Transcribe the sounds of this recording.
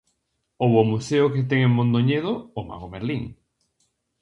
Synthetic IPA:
owomuseoket̪̬eŋemmõnd̪oɲeðoːma̰ɣomeɾliŋ

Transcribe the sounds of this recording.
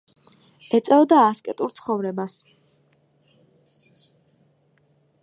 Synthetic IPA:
ɛt̪sʼɛɔd̪aːskʼɛt̪ʼuɾt̪sʰχɔvɾɛbas

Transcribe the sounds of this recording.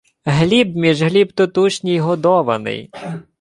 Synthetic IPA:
ɦlʲibmʲiʒɦlʲibt̪ɔt̪uʃnʲijɦɔd̪ɔʋɐ̰nɪ̰j

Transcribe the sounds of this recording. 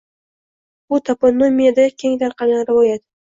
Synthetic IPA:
ʊt̪ʰaponːomʲijad̪akʲʰeŋt̪aɾqɑnaɾɪvɒjat̪

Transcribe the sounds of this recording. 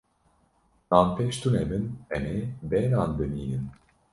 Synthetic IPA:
naːnpeːʃt̪ʰunɛbɨnɛmebɛnaːnd̪ɨniːnɨn

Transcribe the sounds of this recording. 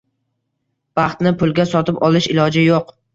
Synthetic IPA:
b̥ɑχt̪nɪpʰʊlˠɡʲasɒt̪ɪpɒlˠɪʃɪlɒd͡ʒɪjoq

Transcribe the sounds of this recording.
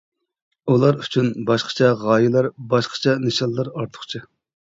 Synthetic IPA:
ulˠɑɾyt͡ʃʰynbɑʃqə̥t͡ʃʰɛʁɑːjilˠɑɾbɑʃqə̥t͡ʃʰɛnɨʃɑllˠɑɾɑɾt̪ʰə̥χt͡ʃʰɨ

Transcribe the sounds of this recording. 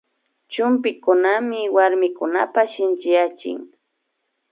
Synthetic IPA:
t͡ʃʊmp̬ɪkʊnamɪwaɾmɪkʊna̰paʃɪnt͡ʃɪjat͡ʃɪ̰ŋ

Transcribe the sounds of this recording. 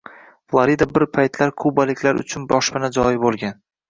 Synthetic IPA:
flˠaɾid̪abɪɾpʰajt̪laɾkʰʊbalɪkʲlaɾʊ̰t͡ʃʰʊnbɒʃbɪnad͡ʒɒjɪbolˠɡʲan

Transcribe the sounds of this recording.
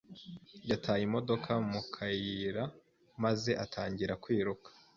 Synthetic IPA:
jatʰaːjimo̞do̞kʰamukʰajiɾa | maze̞ʔatʰaːɲɟiɾakwiːɾukʰḁ

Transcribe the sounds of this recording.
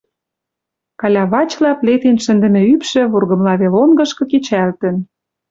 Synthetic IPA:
kɑlʲɑβɑt͡ɕlɑplet̪enʃə̆nd̪ə̆mĕypʃĕβurɣɤ̆mlɑβelonɡɤ̆ʃkɤ̆ket͡ɕælt̪ə̆n

